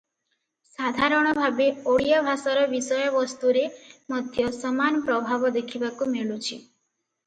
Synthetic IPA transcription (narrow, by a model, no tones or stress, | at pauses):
sad̪ʱaɾɔɽ̃ɔbʱabeoɽijabʱasɔɾɔʋisɔjɔʋɔst̪uɾemɔd̪ʱjɔsɔmanpɾɔbʱabɔd̪ekʰibakumeɭut͡ʃʰi